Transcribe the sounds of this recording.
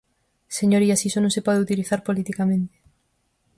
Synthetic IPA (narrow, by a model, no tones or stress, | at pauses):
seɲoɾiasisonõŋsepɔðeut̪iliθaɾpolit̪ikamẽnt̪e̥